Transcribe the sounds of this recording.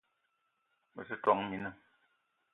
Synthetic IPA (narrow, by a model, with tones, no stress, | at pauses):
mə̰˨sɨ˦twɔ˨˦ŋmi˨˦nə˦˨